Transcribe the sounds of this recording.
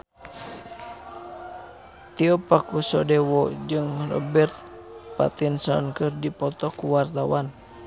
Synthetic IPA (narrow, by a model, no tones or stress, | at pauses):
t̪iɔpakusɔdɛwɔd͡ʒɨŋrɔ̰bɛrt̪̚ | pa̰t̪insɔnkɨrdipɔt̪ɔkuwart̪awan